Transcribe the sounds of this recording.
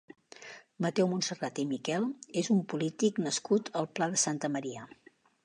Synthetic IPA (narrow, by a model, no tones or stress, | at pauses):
mət̪ɛwmunsərat̪imikɛlˠezumpulit̪iknəskut̪ʰəlˠplaðəsant̪əməɾiə